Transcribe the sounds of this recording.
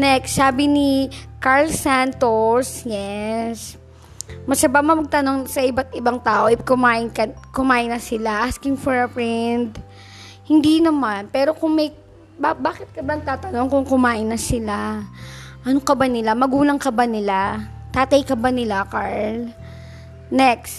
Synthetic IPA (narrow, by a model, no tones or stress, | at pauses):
nɛksaːbɪnɪkaɹlsant̪osjɛs | mɐsɐbamɐmɐɡ̚t̪ɐno̞ŋsɐʔɪbat̪̚ʔɪbaŋt̪aːʔoʔɪkʊmaːʔɪnkɐkʊmaːʔɪnːɐsɪlaʔaskɪŋfɔɹɐfɹɛnd̪̚ | hɪnd̪inɐmanpɛːɾo̞kʊŋmɐj | babaːkɪt̪̚kɐbat̪aːt̪ɐno̞ŋkʊŋkʊmaːʔɪnːɐsɪla | ʔɐnokɐbanɪlamɐɡuːlɐŋkɐbanɪla | t̪aːt̪ɐjkɐbanɪlakaɹl | nɛks